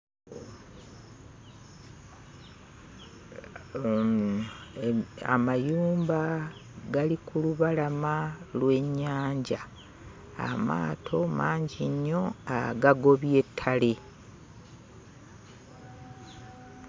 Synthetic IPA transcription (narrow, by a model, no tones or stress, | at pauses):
a̰majuːmbaɡalikuluβalamalwe̞ɲːaːɲɟa | a̰ma̰ːtʰo̞maːɲɟiɲːo̞aɡaɡo̞βje̞tʰːale